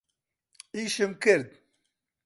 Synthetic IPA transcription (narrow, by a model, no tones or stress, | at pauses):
iːʃɨmkɨɾd̪̚